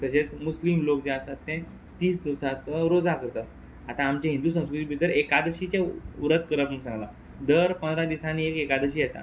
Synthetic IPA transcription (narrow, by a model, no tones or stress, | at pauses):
t̪əɕet͡smuslimlok̚d͡ʑeasat̪ːɛ̃ | t̪iːsd̪isat͡səɾod͡zakəɾt̪ə | at̪ãːmt͡ɕẽɦind̪usə̃w̃skɾut̪ibʱit̪əɾekad̪əɕit͡ɕẽuɾət̪kəɾəpməɡsãŋɡla | d̪əɾpənd̪ɾad̪isaniekekad̪əɕ̬iːjɛt̪a̰